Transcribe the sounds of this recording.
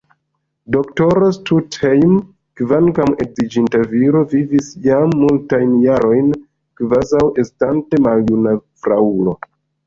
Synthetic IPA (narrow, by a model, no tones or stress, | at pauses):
do̞kto̞ɾostutejm | kvankame̞zid͡ʒintaviɾo̞vivisjamːultajnjaɾo̞jn | kvazawʔe̞stante̞maljunafɾaulo̞